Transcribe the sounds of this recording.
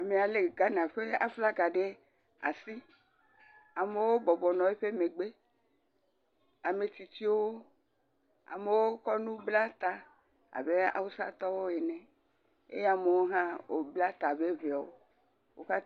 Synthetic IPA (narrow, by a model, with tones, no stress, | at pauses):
a˨me˨a˨le˨ɡa˨nã˨ɸe˦a̰˦fla˦ɡa˨ɖe˦ | a̰˨si˦ | a˨me˨wo˦bɔ˨bɔ˨nɔ̃˨e˦ɸe˦me˨ɡ͡be˦ | a˨me˨t̪i˨t̪i˦wo˦ | a̰˨me˨wo˦kɔ˦nũ˦bla˦t̪a˨ | a̰˨be˦a̰˨wo˦sa̰˦t̪ɔ˦wo˦e˨nɛ̃˨ | ḛ˦ja˨me˨wo˦ɦã˦wo˨bla˦t̪a˨be˦ve˨a˨wo˦ | wo˦ka˦